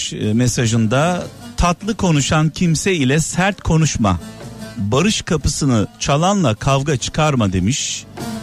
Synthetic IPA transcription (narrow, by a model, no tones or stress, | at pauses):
mesaʒɯnd̪at̪ʰat̪lˠɯkʰo̞nuʃancʰimsɛilʲɛsæɾt̪kʰo̞nuʃma̰baɾɯʃkʰapɯsɯnɯt͡ʃʰalˠanlˠakʰavɡat͡ʃʰɯ̥kʰaɾmad̪e̞miʃ